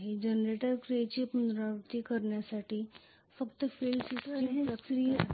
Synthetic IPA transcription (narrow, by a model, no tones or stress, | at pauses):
ɦid͡ʒənɾeːʈəɾkɾet͡ʃipənd̪ɾaʋət̪ikəɾnesaːʈi | fɐkt̪feːlsɪsiəksɾi